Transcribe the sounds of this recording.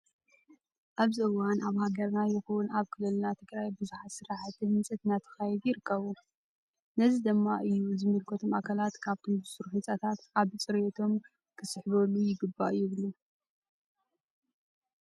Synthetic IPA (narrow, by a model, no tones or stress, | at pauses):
ʔaβzɨɨwanaβhaɡɐɾnajɪxuwunaβkʰɨlɨlnat̪ʰɨɡɾajbɨzuħat̪sɨɾaħat̪ʰimɨnt͡sʼɨt̪nat̪ʰɐ̥xajd̪jɪɾɨkʰːɐβu | nɐzid̪ɨmːaʔɨjːuzɨmːɨlkʰot̪ʰomakʰɐlat̪kʰaβt̪ʰombɨsɨɾuħɨnt͡sʼɐt̪ʰat̪aβt͡sʼɨɾjot̪ʰo̞m | kʰɨsɨħβolːujɪɡɨbːaʔɨjːuβlu